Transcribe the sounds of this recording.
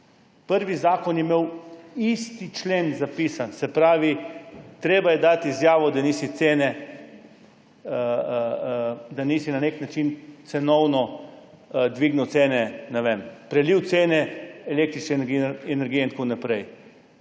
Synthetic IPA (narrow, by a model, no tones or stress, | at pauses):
pəɾʋizaːkɔnjɛmewist̪it͡ʃleːnzapiːsansɛpɾaːʋit̪ɾeːbajɛd̪at̪izjaːʋɔd̪aniːsit̪seːnɛ | d̪aniːsinaneknat͡ʃint̪sɛnɔwnɔ | d̪ʋiɡnuwt̪seːnɛnɛʋempɾɛliwt̪seːnɛɛlek̚t̪ɾit͡ʃnɛiɛnɛɾɡiɛinkunapɾɛj